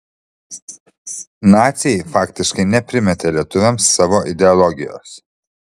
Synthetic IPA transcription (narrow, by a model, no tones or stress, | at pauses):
nɑːt̪sʲɛjɪfɑːkt̪ʲɪʃkɐɪnʲɛpʲɾʲɪmʲɛt̪ʲelʲiɛt̪ʊʋʲɛmsːɑːʋoːʔɪd̪ʲɛɔlˠɔɡʲɪjo̰ːs